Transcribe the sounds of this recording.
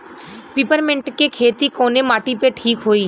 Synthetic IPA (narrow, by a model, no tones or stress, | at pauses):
pipəɾmeɳʈkekʰet̪ikonemaʈipeʈʰiːkɦoi